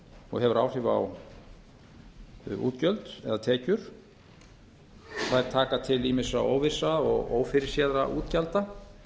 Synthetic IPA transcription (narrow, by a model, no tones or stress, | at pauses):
ɔ̰ɣɦɛvʏɾaːwr̥ɪva̰w | ṵːt̪cœlt̪ɛ̰ðat̪ʰɛːcʏɾ̥ | θaðɛɾ̥t̪ʰaːkat̪ʰɪlimɪsao̰ːwvɪsaɔɣo̰ːwfɪɾɪɾ̥sjaðɾa̰ʔuːt̪calt̪a